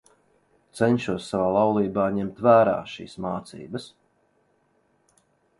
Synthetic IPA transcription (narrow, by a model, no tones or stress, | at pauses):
t̪sɛɲʃuɔsːavaːlˠawlˠiːbaːɲɛmt̪væːɾa̰ːʃḭːsmaːt̪sḭːbəs